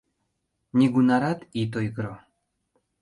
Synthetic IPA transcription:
nʲiɡunaɾat̪it̪̬ojɡɾɔ

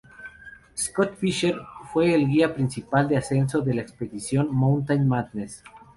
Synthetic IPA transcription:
skot̪fiʃeɾfwe̞ːlɣiapɾinsipald̪ease̞nso̞ðe̞laekspe̞ðisjo̞nmõwnt̪anmad̪nes

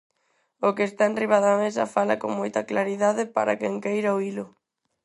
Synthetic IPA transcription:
ʊkeːst̪aenriβaðoamesɐ̰falɐ̰koŋmojt̪ɐklaɾiðaðɪpa̰ɾa̰kɛŋkejɾaoilʊ

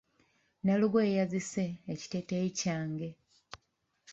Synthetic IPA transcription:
naluɡweːjaziseːci̥teteicaːŋɡe̞

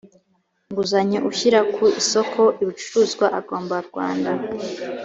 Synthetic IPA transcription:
ŋɡuzaɲeʔuçiɾakʰuisokʰo̞ʔiβit͡ʃu̥ɾuːzɡwaʔaɡo̞ːmbaɾɡwa̰ːnda

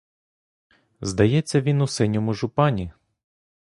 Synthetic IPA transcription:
zd̪ɐjɛt͡sʲːɐʋʲinʊsɛnʲɔmʊʒʊpɑnʲi

